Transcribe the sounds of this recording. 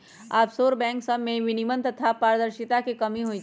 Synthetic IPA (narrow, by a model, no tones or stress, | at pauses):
aːpsoːɾbɛ̃ːŋksəbmẽʋɪnimənt̪ɐt̪ʰapaːɾd̪əɾʃɪt̪akikɐmĩɦoĩ